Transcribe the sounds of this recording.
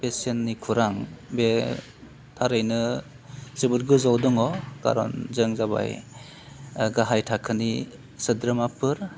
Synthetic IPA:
pesenːikʰuɾaŋbe | tʰaɾɯjnɯ | sɯbɯɾɡɯzawdɔŋɔka̰ɾɔ̰nzɯŋzaba̰j | ɡaɦajtʰakʰɯni | sɯdɾɯmapʰɯɾ

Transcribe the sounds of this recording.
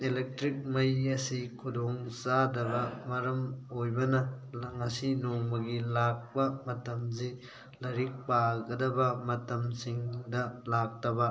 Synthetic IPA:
elek̚tɾik̚mɐjɐsikʰudoŋsadɐbɐmɐɾɐmojbɐnɐŋɐsinomɐɡilak̚pɐmɐtɐmzi | lɐɾik̚paɡɐdɐbɐmɐtɐmsiŋdɐlak̚tɐbɐ

